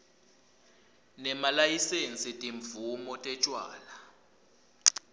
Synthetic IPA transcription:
nɛmalajisent͡sʼitʼiɱb̪vumɔtʼɛt͡ʃʼwa̰ːla

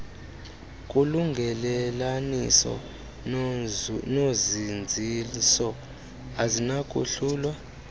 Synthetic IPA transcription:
kʼuluŋɡʱɛlɛlanisɔ̰ | nozind͡zʱisɔ | azinakʼṵɬuːlwa

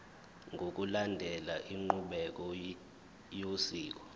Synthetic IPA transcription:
ŋʱok̬ʼulandʱɛlaʔiŋ͡ǃuɓɛk̬ɔ | josiːk̬ɔ̥

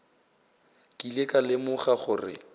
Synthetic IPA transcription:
kʼilekʼalɪmʊχaχʊrɪ̰

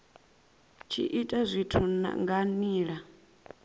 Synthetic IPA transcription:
t͡ʃʰḭʔitʼazʷitʰuna̰ŋɡaniːɺa

